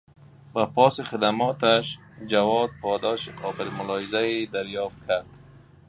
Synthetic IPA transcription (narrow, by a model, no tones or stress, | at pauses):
bapɔsɪχɪd̪amɔt̪aʃ | d͡ʒawɔd̪̚pɔd̪ɔʃiqɔbɪlmʊlɔɪzaed̪aɾjɔft̪̚kʰaɾd̪